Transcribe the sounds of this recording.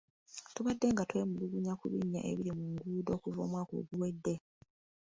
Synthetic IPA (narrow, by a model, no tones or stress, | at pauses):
tuβadːe̞ŋɡatwe̞ːmuluɡuɲakuβḭɲːa̰ʔḛβiɾimuŋɡuːdo̞ːkuvo̞ːmwaːko̰ɡuwe̞dːe̞